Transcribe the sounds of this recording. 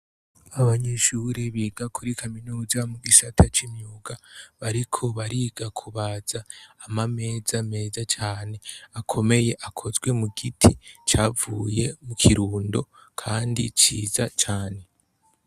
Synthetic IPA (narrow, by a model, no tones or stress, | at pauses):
aβaɲeʃuːɾiβiːɡakʰuɾikʰaminuːzamuɡisatʰat͡ʃimɲuːɡaβaɾikʰo̞βaɾiːɡakʰuβaz̥aːmame̞ːzame̞ːzat͡ʃaːne̞akʰo̞me̞je̞ʔakʰo̞zɡwe̞muɡitʰit͡ʃaːvuːje̞mukʰiɾuːndo̞ | kʰaːndḭt͡ʃiːzat͡ʃaːne̞